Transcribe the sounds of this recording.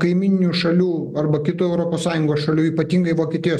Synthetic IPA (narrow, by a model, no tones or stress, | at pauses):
kɐɪmʲɪnʲɪnʲuːʃɐlʲuːɐɾrbɐkʲɪt̪uːɛʊɾoːpoːssɑːjʊŋɡoːsʃɐlʲuːiːpɐt̪ʲiŋɡɐɪʋoːkʲiɛt̪ʲɪjoːs